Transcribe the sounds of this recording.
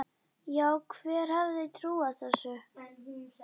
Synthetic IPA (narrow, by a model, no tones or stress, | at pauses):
jaːwkʰvɛːɾ̥havðɪt̪ʰɾuːaθɛsːʏ